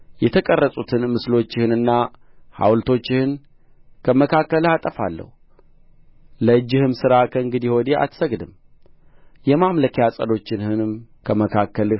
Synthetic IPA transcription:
jɛt̪ʰəkʼərːəsʼut̪ʰɨnmɨslo̞t͡ʃːɪhɨnɨnːa | ha̰wlt̪ʰo̞t͡ʃːɪhɨn | kʰəməkʰakːəlhat̪ʼəfa̰lːə̰hu | ləɨd͡ʒːɪhɨmsɨɾakʰəɨŋɡɨd̪ihod̪eʔa̰t̪səɡd̪ɨm | jɛmamləkʰejasʼə̰d̪o̞t͡ʃːɪnhɨnɨmkʰəməkʰakːəlɨ

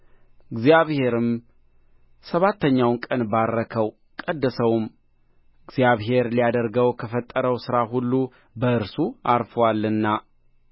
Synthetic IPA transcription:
ɨɡzijaβhe̞ɾɨm | səβat̪ʰːəɲːawnkʼənbarːəkʰəw | kʼəd̪ːəsəwm | ɨɡzjaβɦe̞ɾlijad̪əɾɡəwkʰəfət̪ʼːəɾəwsɨɾaɦulːu | bəɨɾsuaɾfəwalːɨnːa

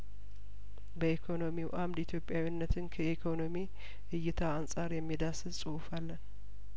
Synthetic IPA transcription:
bəikʰo̞no̞miwʔamd̪it̪ʰjo̞pʼjawinːət̪ʰɨnkʰəikʰo̞no̞mi | ʔɨjːɪt̪ʰaːnsʼaɾjɛmːid̪asɨsʼɨwʊfalːən

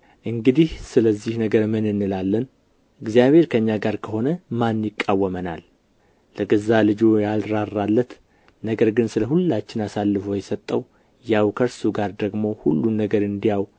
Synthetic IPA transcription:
ʔɨŋɡɨd̪ihsɨləzːihnəɡəɾmɨnɨnːɨlalːən | ʔɨɡzijaβhe̞ɾkʰəɨɲːaɡaɾkʰəho̞nəmanjɪkʼːawːəmənalː | əɡəzalɨd͡ʒojalɾarːalːət̪ | nəɡəɾɡɨnsɨləɦulːat͡ʃːɪnasalːɨfojɛsət̪ʼːəw | jawkʰəɾsuɡaɾd̪əɡmo̞hṵlːunːəɡəɾɨnd̪ijaw

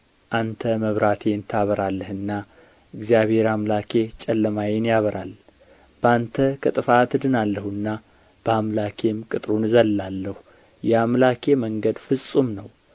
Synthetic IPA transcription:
ʔant̪ʰəməβɾat̪ʰent̪ʰaβəɾalːəhɨnːa | ʔɨɡzijaβhe̞ɾamlakʰe̞t͡ʃʼɛlːəmajenjaβəɾʔal | b̥əant̪ʰəkʰʼɨt̪ʼɨfat̪ɨd̪ɨnalːəhɨnːa | b̥əamlakʰe̞mkʼɨt̪ʼɾunɨzəlːalːəhu | jɛamlakʰe̞məŋɡəd̪fɨsʼumnəw

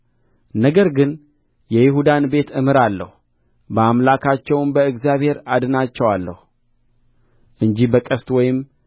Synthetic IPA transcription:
nəɡəɾɡɨn | jɛjɪɦud̪anbe̞t̪ʰɨmɨɾalːə̰hu | bəamlakʰat͡ʃːɛwnbəɨɡzjaβhe̞ɾad̪ɨnat͡ʃːɛwalːə̰hu | ʔɨɲd͡ʒibəkʼəst̪wɔjɪm

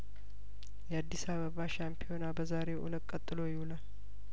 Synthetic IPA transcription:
jɛad̪ːisaβəβaʃampʰio̞nabəzaɾe̞ʔṵlət̪ʼkʼət̪ʼːɨlo̞jɪhulal

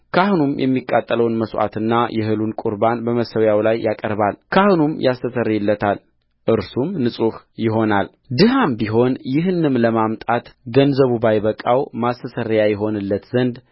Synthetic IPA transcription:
kʰahunumjʔɛ̰mːikʼːat̪ʼːələwnməsʔa̰t̪ɨnːajʔɛhɨlunkʼuɾbanbəməsəwjawlajːʔakʼəɾbalkʰahnumjʔast̪ʰəsərɪlːət̪ʰal | ʔɨɾsumnɨsʼuhjɪɦo̞nal | d̪ɨɦambiɦo̞njɪɦɨnɨmləmamt̪ʼat̪ɡənzəβubajβəkʼawmast̪ʰəsərːjajɛɦo̞nɨlːət̪zənd̪

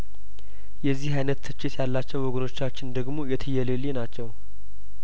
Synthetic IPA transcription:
jɛzːihajnət̪ːʰɨt͡ʃːɪt̪jalːat͡ʃːɛwwɔɡəno̞t͡ʃːat͡ʃːɪnd̪əɡmo̞jɛt̪ʰɨjɛlelinat͡ʃːɛw

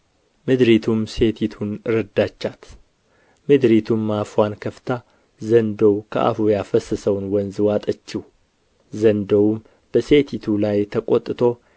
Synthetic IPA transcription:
mɨd̪ɾit̪ʰumse̞t̪ʰit̪ʰunɨɾəd̪ːat͡ʃːat̪ | mɨd̪ɾit̪ʰumːafwankʰəft̪ʰa | zənd̪əwkʰə̰ʔa̰fujafəsəsəwnwənzɨwat̪ʼət͡ʃːiw | zənd̪əwm | b̥əse̞t̪ʰit̪ʰulajt̪ʰəkʼot̪ʼɨt̪ʰo̞

